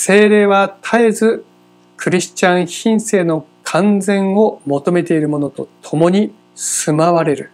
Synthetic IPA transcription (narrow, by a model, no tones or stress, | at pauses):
se̞ːɾe̞ːβat̪ʰaezɨ | kɯ̟ɾʲiɕt͡ɕãɰ̃çĩɰ̃se̞ːno̞kʰãnd͡zẽ̞ɰ̃o̞mo̞t̪o̞me̞t̪e̞iɾɯ̟mo̞no̞t̪o̞t̪ʰo̞mo̞ɲ̟i | sɨmaβaɾe̞ɾɯ̟